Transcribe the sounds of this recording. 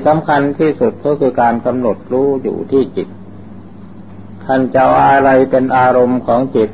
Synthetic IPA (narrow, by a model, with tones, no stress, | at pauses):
sa˩˦mkʰa˧nt̪ʰiː˥˩su˨˩t̪̚kʰɔː˥˩kʰɯː˧kaː˧nka˧mno˨˩t̪̚ɾuː˦˥jṵː˨˩t̪ʰiː˥˩t͡ɕi˨˩t̪̚ | t̪ʰa˥˩nt͡ɕa˧wʔa˧ɾa˧jpe˧nʔaː˧ɾo˧mkʰɔː˩˦ŋt͡ɕi˨˩t̪̚